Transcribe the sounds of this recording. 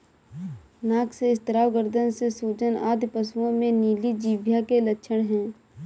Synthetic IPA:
naːkseɪst̪əɾaːwɡəɾd̪ʱənsesuːd͡ʒəna̰ːd̪pəsuõmẽniːlid͡ʒiːʋjakelətːʃʰəɽ̃ɦɛ̃ː

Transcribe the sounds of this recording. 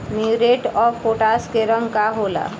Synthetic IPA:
miɾeʈɔfoʈaskeɾəŋɡkaɦola̰

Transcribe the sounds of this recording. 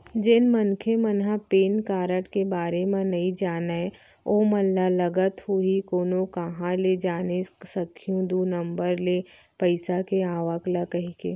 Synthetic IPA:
d͡ʒɪnmənkʰemənɦãpeːnkaːɾəʈkebaːɾemẽnɐĩd͡ʒaːnaɛ | oːməlːaləɡət̪huikoːnokaɦãled͡ʒaːnesəkʰijũd̪uːnə̃mbəɾle | pəɪsakeaːʋəklakɐɦikḛː

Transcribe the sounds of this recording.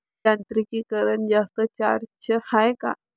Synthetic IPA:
ant̪ɾikikəɾənd͡ʒast̪ət͡ʃa̰ɾt͡ɕʰəhajka̰

